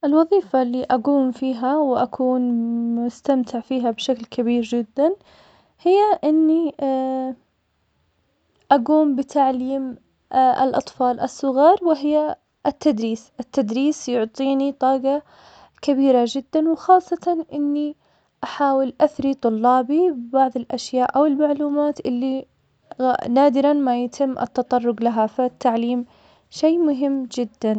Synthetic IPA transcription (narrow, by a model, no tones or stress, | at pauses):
ʔɪlwɑðˤiːfalːiːʔaɡuːmfiːɦawɪʔakʰuːnmʊst̪amt̪ʰɪʕfiːɦabʃaklkʰabiːɾd͡ʒɪd̪ːan | hɪjːaʔɪnːi | ʔaɡuːmbɪt̪ʰaʕliːm | ʔɪ̰lʔɑt̪ˤfɑːlʔɪsːʊɣɑːɾˤwɪɦɪjːa | ɪt̪ːad̪ɾiːsʔɪt̪ːad̪ɾiːsjʊʕt̪ˤiːnit̪ˤɑːɡɑ | kabiːɾad͡ʒɪd̪ːanwxɑːsˤːɑt̪ɑnʔɪnːi | ʔaħaːwɪlʔaθɾit̪ˤʊlːɑːbibɪbaʕðˤɪlʔaʃjaːʔʔawɪlmaʕluːmaːt̪ʔɪlːi | naːd̪ɪɾanmajat̪ʰɪmːʔɪ̰t̪ːɑt̪ˤɑrˤːʊɡlaɦafat̪ːaʕliːm | ʃeːmʊɦɪmːd͡ʒɪd̪ːan